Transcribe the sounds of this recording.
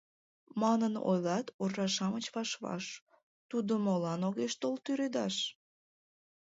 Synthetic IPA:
mɑnəno̰jlɑt̪orːɑʃɑmət͡ɕβɑʃβɑ̰ʃ | t̪ud̪omolɑnoɣeʃt̪olt̪yɾed̪ɑʃ

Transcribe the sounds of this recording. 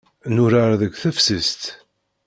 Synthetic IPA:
nʊɾaɾðəɡʷθæfsəst̪

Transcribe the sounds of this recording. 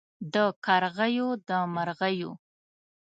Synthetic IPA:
d̪əkaɾɣajod̪əmaɾɣajo̰

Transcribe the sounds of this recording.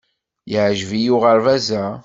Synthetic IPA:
jəʕʒvijʊʁəɾvæzæ

